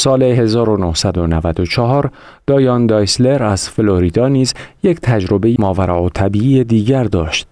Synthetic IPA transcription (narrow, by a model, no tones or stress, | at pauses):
sɒːle̞ɦe̞zɒːɾo̞nohsæd̪o̞nævæd̪ot͡ʃʰɒɦɒːɾ | d̪̥ɒːjɒːnd̪ɒːjsle̞ɾæz̥feloɾid̪ɒːniːzje̞cʰt̪ʰæd͡ʒɾo̞be̞jimɒːvæɾɒot̪ʰæbiːied̪iːɟæɾd̪ɒːʃt̪̚